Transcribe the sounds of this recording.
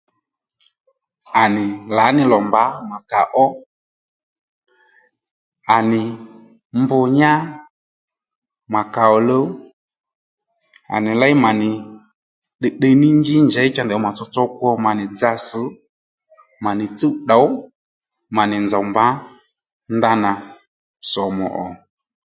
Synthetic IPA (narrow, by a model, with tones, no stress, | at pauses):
a˨nɪ˨la˨˦nɪ˨lɔ˨mba˨˦ma˨ka˨ʔɔ˦ | a˨nɪ˨ | mbʊ˧ɲa˦ | ma˨ka˨ɔ˨lo˦ | a̰˨nɪ˨la˦jma˨nɪ˨ | ɗɛ˨ɗe˧nɪ˦ɲd͡ʒɪ˦ɲd͡ʒɛ˨˦ɪ˦t͡ʃa˦ndɛ˨ɔ˦ma˨t͡sɔ˧t͡sɔ˦kwɔ˧ma˨nɪ˨d͡za˧sɨ˨˦ | ma˨nɪ˨t͡si˦ɗa˨˦w | ma˨nɪ˨nd͡za˨mba˨˦ | nda˧na˨ | sɔ˨mɔ̰˨ʔɔ˨